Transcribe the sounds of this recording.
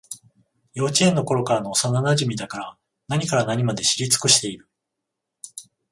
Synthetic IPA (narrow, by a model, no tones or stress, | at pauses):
jo̞ːt͡ɕiẽ̞nːo̞ko̞ɾo̞kaɾano̞ːsananaʑimʲid̪akaɾa | naɲ̟ikaɾanaɲ̟imad̪e̞ɕiɾʲit͡sɨ̥kɯ̟ɕi̥t̪e̞iɾɯ̟